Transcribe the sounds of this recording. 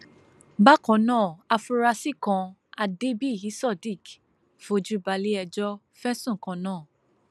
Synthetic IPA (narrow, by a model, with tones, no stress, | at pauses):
ba˦kɔ̃˨nãː˦˨a˧fu˧ɾa˧si˦kã˧ | a˧de˦bi˦˨ji˨˦sɔ˦˨di˦˨k | fo˧˨d͡ʒu˦ba˧li˦ɛ˧d͡ʒɔ˦ | fɛ˦sũ˦˨kã˨˧nãː˦˨